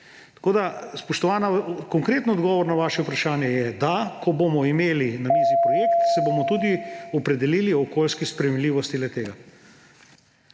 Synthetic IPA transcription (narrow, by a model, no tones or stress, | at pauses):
t̪koːd̪aspɔʃt̪ɔʋaːnakɔŋkɾeːt̪nɔd̪ɡɔːʋɔɾnaʋaːʃɛupɾaʃaːnjɛjɛd̪akɔbomɔimeːlinamiːzipɾɔjeːkt̪sɛbomɔt̪uːd̪iɔpɾɛd̪ɛliːliɔkoːlskispɾɛjemliːʋɔst̪ilɛt̪eːɡa